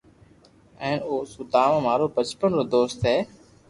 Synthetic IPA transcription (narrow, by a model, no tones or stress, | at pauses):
ɛ̃ːnoːsʊd̪ʱaːʋãːmaːɾoːpət͡ʃpənɾoːd̪oːst̪ɦeː